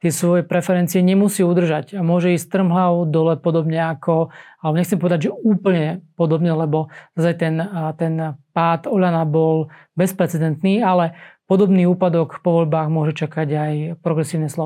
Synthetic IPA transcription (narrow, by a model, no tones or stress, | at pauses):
t̪ɪɛsʋɔjɛpɾɛfɛɾɛnt͡siɛɲɛmusiːud̪r̩ʒaɟamʊɔʒɛiːst̪r̩mɦaʊd̪ɔlɛpɔd̪ɔbɲɛakʰɔalɛbɔɲɛxt͡sɛmpɔʋɛd̪aɟʒɛuːpl̩ɲɛpɔd̪ɔbɲɛlɛbɔnazajt̪ɛnt̪ɛnpaːt̪ɔʎanabɔl | bɛspɾɛt͡sɛd̪ɛnt̪niːalɛpɔd̪ɔbniːuːpad̪ɔkpɔʋɔʎbaːɣmʊɔʒɛt͡ʃakaɟajpɾɔɡɾɛsiːʊnɛslɔ